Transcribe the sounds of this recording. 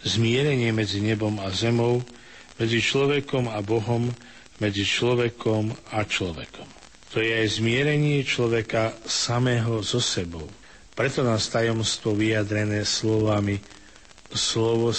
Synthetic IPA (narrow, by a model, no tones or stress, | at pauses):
zmɪɛɾɛɲɪɛmɛd͡ziɲɛbɔmazɛmɔʊ | mɛd͡zit͡ʃlɔʋɛkɔmabɔɦɔmː | ɛd͡zit͡ʃlɔʋɛkʰɔmat͡ʃlɔʋɛ̰kɔm | t̪ɔjɛajzmɪɛɾɛɲɪɛt͡ʃlɔʋɛkasamɛːɦɔzɔsɛbɔʊ | pɾɛt̪ɔnaːst̪ajɔmst̪ʋɔʋijad̪ɾɛnɛːslɔʋami | slɔʋɔ